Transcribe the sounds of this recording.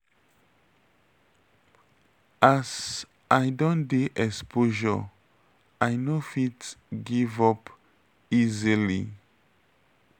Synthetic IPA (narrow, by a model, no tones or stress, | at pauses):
az | ajdɔ̃ndeʔɛkspoʒɔ̰ | ajnofitɡivɔp | izilḭ